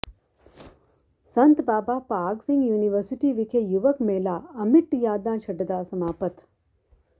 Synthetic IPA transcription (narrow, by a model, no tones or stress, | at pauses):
sɐnt̪baːbaːpaːɾksiŋɡjuːniʋɐɾsiʈiːʋikʰejuʋɐkmeːlaːɐmiʈːjaːd̪ãːnʃɐɖɐd̪aːsɐmaːpɐt̪